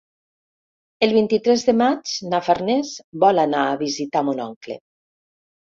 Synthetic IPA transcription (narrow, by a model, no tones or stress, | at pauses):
elˠβ̞int̪it̪ɾɛzðəmad͡ʒnafaɾnɛzbɔlanaːβizit̪amonɔŋklḛ